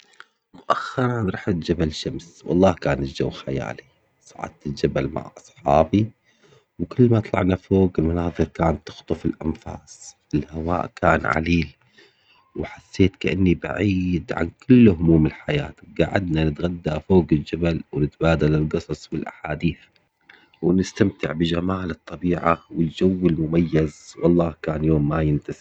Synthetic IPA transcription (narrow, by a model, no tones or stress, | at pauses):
mʊʔaxːɑɾˤɑnɾˤɑːħɪt̪d͡ʒabalʃamswɑ̰lˤːɑːhkaːnɪld͡ʒa̰wːxaja̰ːli | sˤɑʕɑ̰d̪̚t̪ɪld͡ʒabalma̰ʕʔɑsˤħɑ̰ːbi | wkʊlːmat̪ˤlɑ̰ʕnafoːɡɪlmʊnɑːðˤɨɾkaːnt̪ʊ̥xt̪ˤʊfɪlʔa̰nfa̰ːsˤ | ɪlhawa̰ːʔkʰaːnʕa̰liːl | wɪħasːeːt̪kaʔanːiba̰ʕiːd̪ʕa̰nkʊlːhʊmuːmɪlħaja̰ːt̪ɡaʕa̰d̪nanɪt̪ɣad̪ːafoːɡɪld͡ʒabalwɪnɪt̪baːd̪alɪlɡɨsˤɑsˤbɪlʔaħaːd̪iːθ | wɪnɪst̪amt̪ɪʕbɪd͡ʒamaːlɨt̪ˤːɑbiːʕawɪld͡ʒawːɪlmʊmajːazwʔɑlˤːɑːhkaːnjoːmːajɪnt̪asɪb